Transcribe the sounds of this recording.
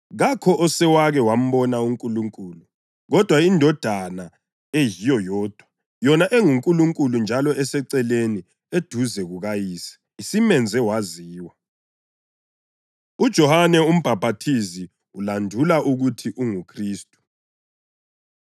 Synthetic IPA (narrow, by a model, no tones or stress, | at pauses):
ɣakʰɔʔɔsɛwaɣɛwam̩βɔnauŋkʼuluŋkʼuːlu | ɣɔd̥ʱwaindʱɔd̥ʱana | ejijɔjɔːd̥ʱwa | jɔnaʔeŋuŋkʼuluŋkʼulund͡ʒʱalɔʔɛsɛǀɛleni | ed̥ʱuzɛɣuɣajiːsɛ̥ | isimɛnd͡zʱɛwaziːwa | ud̥ʒ̥ʱɔhanɛum̩b̥ʱab̥ʱatʰizi | ulandʱulaʔuɣutʰiʔuŋukʰriːstʼu̥